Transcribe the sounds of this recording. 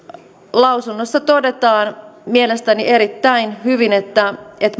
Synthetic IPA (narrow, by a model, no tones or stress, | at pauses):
lɑwsunːosːɑt̪ode̞t̪ɑːnmielest̪æniʔe̞ɾit̪ːæinhyʋinet̪ːæet̪